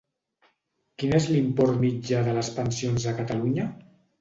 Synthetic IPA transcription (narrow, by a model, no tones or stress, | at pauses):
kinezlimpɔɾt̪mid͡ʒaðələspənsionzəkət̪aluɲə